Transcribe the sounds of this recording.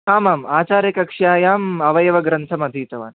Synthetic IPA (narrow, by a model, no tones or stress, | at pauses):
aːmaːmaːt͡ʃaːɾjɐkɐkʂjaːjaːmɐʋɐjɐʋɐɡɾɐnt̪ʰɐmɐd̪ʱiːt̪ɐʋa̰ːn